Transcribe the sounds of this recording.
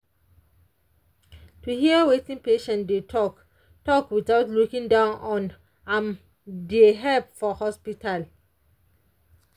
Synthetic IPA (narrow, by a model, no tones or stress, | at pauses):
tuhiəwetĩnpeʃɛ̃ndetʰɔk | tɔkwitaʊtlukĩŋdãnɔ̃n | ãm | deɦɛlpfɔhɔspital